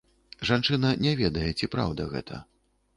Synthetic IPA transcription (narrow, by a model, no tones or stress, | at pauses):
ʐant͡ʂɨnɐnʲɛvʲɛd̪ɐjɛt͡sʲipɾa̰wd̪ɐɣɛ̰t̪ʰɐ̰